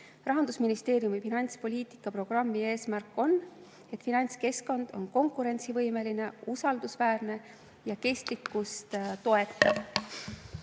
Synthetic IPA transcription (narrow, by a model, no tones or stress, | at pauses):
rɑɦɑnd̪usminist̪e̞ːɾjumifinɑnʲt̪spo̞lʲiːt̪ˑi̥kːˑɑpro̞ɡ̥rɑmːie̞ːsmærkːˑo̞n | et̪ˑfinɑnʲt̪ske̞sko̞nd̪̥o̞̰nko̞ŋkuɾe̞nʲt̪sivɤ̞jme̞line̞usɑld̪̥usvæːrne̞ | jɑke̞st̪likːust̪t̪o̞e̞t̪ːˑɑv